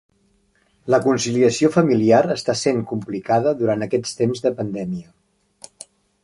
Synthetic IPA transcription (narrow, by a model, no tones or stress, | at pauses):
ləkunsiliəsiofəmiliaɾəst̪aseŋkumplikaðəðuɾant̪əkɛst̪emzðəpənd̪ɛmiə